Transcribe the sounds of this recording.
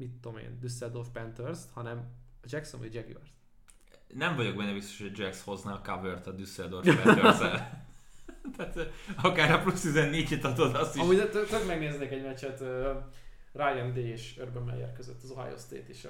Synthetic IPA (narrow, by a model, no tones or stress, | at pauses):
mit̪ːo̞mḛːnd̪ysːɛld̪ofpɛnt̪ørst̪hɒnɛmɒd͡ʒɛksonɒ̰ɟd͡ʒɛɡjo̰rs | nɛɱvɒɟo̞ɡ̚bɛnːɛbist̪oʃhod͡ʒɛksho̞znaːkavørt̪ɒd̪ysːɛld̪orfpɛøzɛl | t̪aːt̪ɒkaːɾɒplust̪izɛnːeːɟet̪ɒd̪od̪ɒst̪iɒmuːɟt̪t̪øɡmɛɡneːzneːkɛɟmɛt͡ʃːɛt̪øː | rajɛnd̪eːeːʃørbømɛ̰jɛ̰rkøzøt̪ːɒzɒ̰jo̰st̪ḛːt̪eːʃ